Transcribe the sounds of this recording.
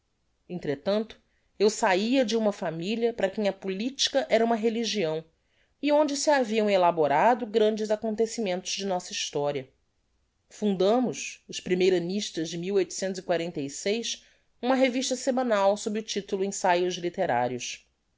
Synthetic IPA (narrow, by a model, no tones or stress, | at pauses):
ẽnt̪ɾet̪ɐ̃nt̪ʊ̥ | ewsaiɐd͡ʒɪũmɐfamiliɐpɾɐkẽj̃ɐpulit͡ʃi̥kɐʔɛɾɐũmɐɦeliʒiɐ̃w̃ | ɪõnd͡ʒɪsɪaviɐ̃w̃elaboɾad̪ʊɡɾɐ̃nd͡ʒɪzakõnt̪esimẽnt̪ʊzd͡ʒɪnɔsɐiʃt̪ɔɾiɐ | fũnd̪ɐ̃mʊʃʊʃpɾimejɾɐniʃt̪ɐzd͡ʒɪmiwojt̪ʊ̥sẽnt̪ʊzikwaɾẽnt̪ejsejs | ũmɐɦeviʃt̪ɐsemɐ̃nawsobɾɪʊt͡ʃit̪ʊlʊẽsajʊzlit̪eɾa̰ɾjʊs